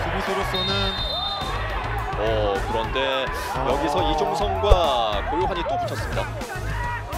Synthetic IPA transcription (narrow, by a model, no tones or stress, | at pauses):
kumisʰoɾos͈ʰʌnɯn | ʌkɯɾʌnde̞ | jʌɡisʰʌid͡ʑʰomusʰʌnɡwakoɾoɦaɲit͈oput͡ɕʰʌs͈ɯmɲida